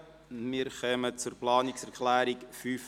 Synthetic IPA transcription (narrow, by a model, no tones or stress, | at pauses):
miɾχœmət͡sʊrplɑːnɪksɛɾkʰlæːɾikfyːf